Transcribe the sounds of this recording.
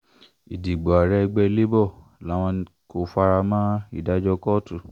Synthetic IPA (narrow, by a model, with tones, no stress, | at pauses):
i˨di˨ɡ͡bo˨a˨ɾɛ˧ɡ͡bɛ˧le˦bɔ˦˨ | la˨˦w̃ɔ̃˧ | ko˧fa˧ɾa˧mã˦ḭ˦˨da˨˦d͡ʒɔ˧kɔ˦˨tu˨